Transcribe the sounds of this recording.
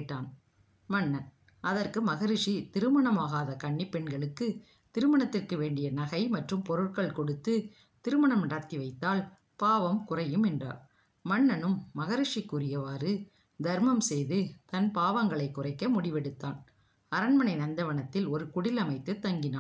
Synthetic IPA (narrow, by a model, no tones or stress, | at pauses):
ʈːaːn | mɐɳːɐn | ʔɐðɐrkɯmɐɣɐɾɪʂit̪ɪɾɯmɐɳɐmaːɣaːðɐkɐɳːipːɛɳɡɐɭɯkːɯ | t̪ɪɾɯmɐɳɐt̪ːɪrkɯʋeːɳɖɪjɐnɐɣɐɪmɐʈrɯmpɔɾɯʈkɐɭkɔɽɯt̪ːɯ | t̪ɪɾɯmɐɳɐmɐɽɐːt̪ːiʋɐɪt̪ːaːl | paːʋɐmkʊrɐjɯmɛndra̰ːɾ | mɐɳːɐnɯmːɐɣɐɾɪʂikːʊɾɪjɐʋaːɾɯ | d̪ʱɐɾmɐmsɛjðɯt̪ɐnpaːʋɐŋɡɐɭɐɪkːʊrɐɪkːɐmʊɽɪʋɛɽɯt̪ːaːn | ɐɾɐɳmɐnɐɪnɐnd̪ɐʋɐɳɐt̪ːɪlɔɾɯkʊɽɪlɐmɐɪt̪ːɯt̪ːɐŋɡɪnaː